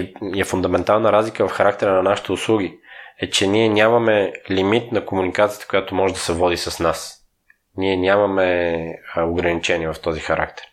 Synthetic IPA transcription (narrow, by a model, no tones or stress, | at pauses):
ɛfʊnd̪ɐmɛnt̪alˠnəɾazlikəvɐfxɐɾak̚t̪ɛɾənɐnaʃi̥t̪ɛʊslˠuɡ̟iɛt͡ʃɛniɛnʲamɐmɛlimit̪nɐkomunikat̪sijə̥t̪ə̥kojat̪omɔʒɛd̪ɐsɛvɔd̪isɐsnas | niɛnʲamɐmɛ | oɡɾɐnit͡ʃɛniɛvɐft̪ɔzixɐɾa̰kt̪ɛ̥ɾ